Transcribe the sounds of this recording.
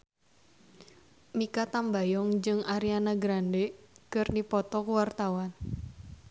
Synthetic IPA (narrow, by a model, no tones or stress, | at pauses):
mikat̪ambajɔŋd͡ʒɨŋaɾianaɡɾandekɨrnipɔt̪ɔkuwart̪awan